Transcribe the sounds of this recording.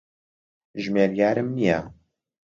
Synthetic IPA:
ʒmeɾjaːɾəmnija

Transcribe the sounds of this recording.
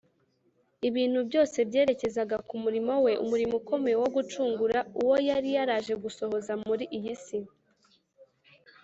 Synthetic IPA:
iβiːn̥hubɟo̞ːse̞bɟe̞ːɾe̞ce̞zaɡakumuɾimo̞we̞ʔṵmuɾimuko̞me̞ewo̞ɡut͡ʃuːŋɡuɾauwo̞jaɾijaɾaːʒe̞ɡuso̞ho̞zamuɾiʔijisi

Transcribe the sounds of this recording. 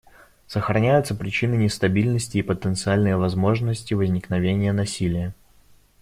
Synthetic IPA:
səxɾɐnʲæjʊt̪səpɾʲɪt͡ɕinɨnʲɪst̪ɐbʲilʲnəsʲtʲɪːpət̪ənt̪sɨalʲnəjvɐzmo̞ʐnəsʲtʲɪvəzʲnʲɪknɐvʲenʲɪjənɐsʲilʲɪjə

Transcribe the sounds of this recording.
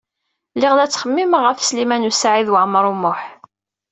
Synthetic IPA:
lːɪʁðæt͡sːχəmːimʁəfslimænusaʕiðwəʕmɾˤumʊħ

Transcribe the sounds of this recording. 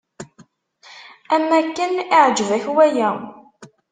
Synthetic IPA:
æmːækːənɪʕd͡ʒvæçwæjæ

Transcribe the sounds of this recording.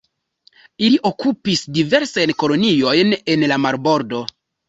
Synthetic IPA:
iliʔo̞kupisdive̞ɾsajnko̞lo̞nio̞jne̞nlamaɾbo̞ɾdo̞

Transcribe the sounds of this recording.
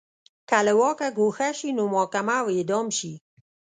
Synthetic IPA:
kaləwɔːkaɡoxaʃinomɔːkamawed̪ɔːmʃi

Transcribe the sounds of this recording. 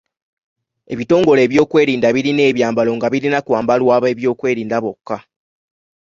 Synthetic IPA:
e̞̰βito̞ːŋɡo̞le̞ːβjo̞ːkwe̞ːɾiːndaβiɾine̞ːβjaːmbalo̞ŋɡaβiɾinakwaːmbalwaːβe̞ːβjo̞ːkwe̞ːɾiːndaβo̞kːa

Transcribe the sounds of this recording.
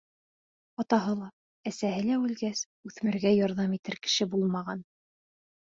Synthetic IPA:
ɑt̪ɑɦɤlˠɑ | æsæhɘlæʉlɡæs | ʉθmɘ̆ɾɡæjɑɾðɑmit̪ɘɾkɘ̥̆ʃɘbulˠmɑʁɑn

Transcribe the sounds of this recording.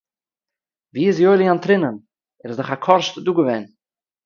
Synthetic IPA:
viːɪs̬joɪlˠiantɾɪnən | ɛɾɪzdʊχakʰɔɾʃtduːɡəvɛːn

